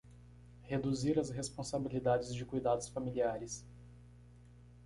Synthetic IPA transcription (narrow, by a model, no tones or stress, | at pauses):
hed̪uziɾɐsɦespõsabilid̪ad͡ʒɪzd͡ʒɪkujd̪ad̪ʊsfamiliaɾɪs